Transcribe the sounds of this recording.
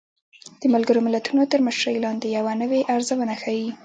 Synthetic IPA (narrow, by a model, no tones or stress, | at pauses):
d̪̥əmalɡəɾomɪlat̪unot̪əɾməʃɾəjlɑnd̪ejawanəweʔaɾzawənaxawi